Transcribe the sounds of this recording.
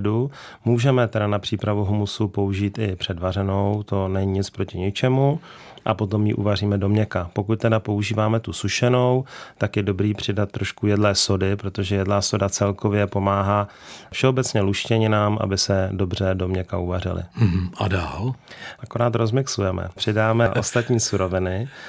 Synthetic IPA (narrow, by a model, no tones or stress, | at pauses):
du | muːʒɛmɛt̪ɛdanapr̝̥iːpɾavuɦumusupo̞uʒiːt̪ɪpr̝̥ɛdvar̝ɛno̞wt̪o̞nɛɲiɲɪt͡spɾo̞cɪɲɪt͡ʃɛmu | ʔa̰po̞t̪o̞mjḭʔṵvariːmɛdo̞mɲɛkapo̞kut̪̚t̪ɛdapo̞uʒiːvaːmɛt̪usuʃɛno̞wt̪akjɛdo̞bɾiːpr̝̥ɪdat̪ːɾo̞ʃkujɛdlɛːso̞dɪpɾo̞t̪o̞ʒɛjɛdlaːso̞dat͡sɛlko̞vjɛpo̞maːɦaː | fʃɛo̞bɛt͡sɲɛluʃcɛɲɪnaːmʔa̰bɪsɛdo̞brɛdo̞mɲɛkauvarɪ̰lɪ̰ɦ̩adaːlʔako̞ɾaːt̪ɾo̞zmɪksujɛmɛ̰pr̝̥ɪdaːmɛʔo̞st̪at̪ɲiːsuɾo̞vɪnɪ